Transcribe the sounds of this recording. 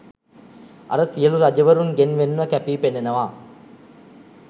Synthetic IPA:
ɐ̰ɾəsijəluɾad͡ʒɐʋəɾuŋɡenʋenːʋəkæpiːpenenəʋaː

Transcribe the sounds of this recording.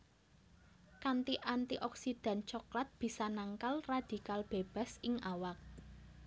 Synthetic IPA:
kant̪iʔant̪iʔɔksid̪̥a̤nt͡ʃɔklat̪̚b̥i̤sanaŋkalrad̪̥ikalb̥e̤b̥a̤sɪŋʔawak̚

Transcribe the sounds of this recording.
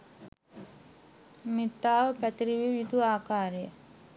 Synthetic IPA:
mit̪ːaːʋəpæt̪iɾiʋiʋjit̪uaːkaːɾəjə

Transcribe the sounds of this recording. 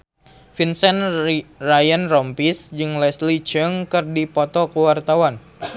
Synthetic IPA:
finsɛnrajanrɔmpisd͡ʒɨŋlɛslit͡ʃəŋkɨrdipɔt̪ɔkəwart̪awan

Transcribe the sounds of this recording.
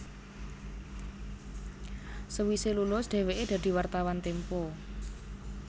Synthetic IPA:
səwiselulʊsɖ̪̥e̤weʔed̪̥ä̤d̪̥i̤wart̪awant̪empo

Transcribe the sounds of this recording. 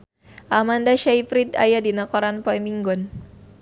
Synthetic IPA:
ʔamandaʃajfɾit̪a̰jadinakɔɾanpɔjmiŋɡɔn

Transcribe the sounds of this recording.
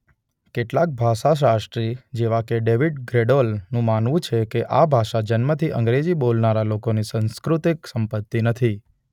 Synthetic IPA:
keʈlak̚bʱaʃaʃ̬aʃʈɾid͡ʒeʋakeɖeʋiɖɡɾeɖolnũmanʋũt͡ʃʰekeʔabʱaʃad͡ʒənmət̪ʰiʔə̰̃ŋɡɾed͡ʒibolnaɾalokonisə̃nskɾut̪iksəmpət̪ːinət̪ʰi

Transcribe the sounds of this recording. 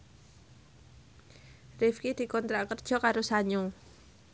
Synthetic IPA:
rɪfkid̪̥i̤kɔnt̪ɾakərd̥ʒ̥ɔ̤kaɾosaɲo

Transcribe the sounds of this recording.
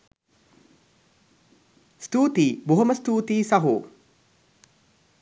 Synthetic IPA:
st̪uːt̪iːbuɦɐməst̪uːt̪iːsaɦuː

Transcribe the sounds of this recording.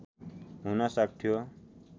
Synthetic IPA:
ɦunʌsak̚t̪ʰijo

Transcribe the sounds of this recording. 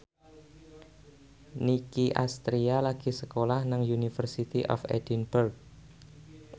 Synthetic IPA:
nikiʔa̰st̪ɾialaɡ̥i̤səkolahnaŋjunifərsit̪iʔɔ̰fḛd̥inburk̚

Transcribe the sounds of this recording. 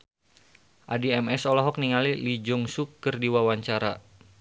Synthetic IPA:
ʔadiɛmɛsɔlɔɦɔk̚niŋalilid͡ʒuŋsukːərdiwawaɲt͡ʃaɾa

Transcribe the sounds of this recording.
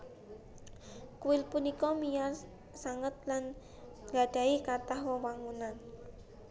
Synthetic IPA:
kuwɪlpunikɔmijar | saŋət̪̚lan | ŋɡaɖ̥a̤ikat̪ahwəwaŋunan

